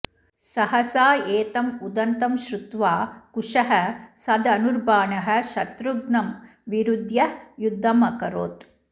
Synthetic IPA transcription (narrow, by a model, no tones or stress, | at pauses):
sɐɦɐsaːeːt̪ɐmud̪ɐnt̪ɐmʃɾut̪ʋaːkuʂɐɦɐsɐd̪ɐnuɾbaːɳɐɦɐ̆ʃɐt̪ɾuɡnɐm | ʋiɾud̪ʱjɐjud̪ʱːɐmɐkɐɾoːt̪